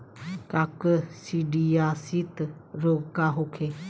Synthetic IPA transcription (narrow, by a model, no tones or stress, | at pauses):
kakəsiɖiasit̪ɾokaɦokʰe